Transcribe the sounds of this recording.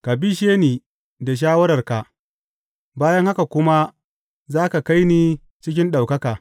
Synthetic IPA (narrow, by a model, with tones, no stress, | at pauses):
ka˨bi˦ʃeː˦niː˨ | da˨ʃ̬aː˦wɐ˦ɾɐ˨rka˨ | baː˦jɐ˦ŋha˦ka˨kʷʊ˦ma˦ | zaː˦ka˨ka˦jniː˦ | t͡ʃɪ˦kʲɪ˦nɗa˨wkɐ˦kaː˨